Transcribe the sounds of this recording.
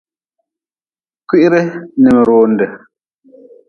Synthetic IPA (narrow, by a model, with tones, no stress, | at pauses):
ki˦ʔɾɛ˦nɛ˨mɛ˨ɾoː˦ndɛ˨